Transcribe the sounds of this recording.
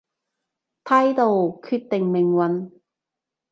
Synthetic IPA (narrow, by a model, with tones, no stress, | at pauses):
t̪ʰaː˥jt̪o˨˧wkʰyː˧t̚t̪ɪ˨ŋmɪ˨ŋwɐ˨˧n